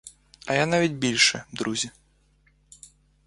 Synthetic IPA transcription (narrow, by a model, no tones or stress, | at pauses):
ɐjanavʲid͡zʲbʲilʲʂɛd̪ɾuzʲi